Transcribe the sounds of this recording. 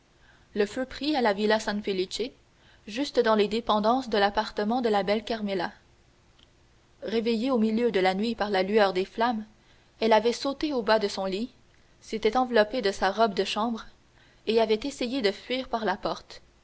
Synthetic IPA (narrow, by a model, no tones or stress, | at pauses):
ləføpχialavilasɛ̃nfelit͡ʃe | ʒyst̪d̪ɑ̃led̪epɑ̃d̪ɑ̃sd̪əlapaʁt̪əmɑ̃d̪əlabɛlkʲaʁmela | ʁevejeomiljød̪əlanɥipaʁlalyœːʁd̪eflam | ɛlavɛsot̪eobad̪əsɔ̃li | set̪ɛt̪ɑ̃vlɔped̪əsaʁɔbd̪əʃɑ̃ːbʁ | eavɛt̪esejed̪əfɥiːʁpaʁlapɔʁt̪